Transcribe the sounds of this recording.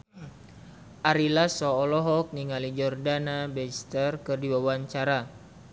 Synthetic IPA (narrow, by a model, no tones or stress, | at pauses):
ʔaɾilasɔːlɔɦɔk̚niŋalid͡ʒɔrdanabɛst̪ərkɨrdiwawaɲt͡ʃaɾa